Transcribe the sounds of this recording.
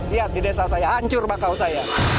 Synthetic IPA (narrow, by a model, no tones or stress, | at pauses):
ijaʔt̪idesasajaaɲt͡ʃʊrbakawsaja